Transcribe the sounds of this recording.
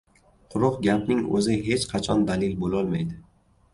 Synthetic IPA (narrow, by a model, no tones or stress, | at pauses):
qʰʊɾɒqɡʲapnɪŋɵ̰zɪɦe̞t͡ʃqʰɑt͡ʃʰɒnd̪alɪlbolɒlˠmajd̪ɪ